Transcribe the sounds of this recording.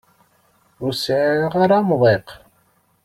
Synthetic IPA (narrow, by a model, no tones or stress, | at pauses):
ʊɾsʕiʁaɾamðˤeq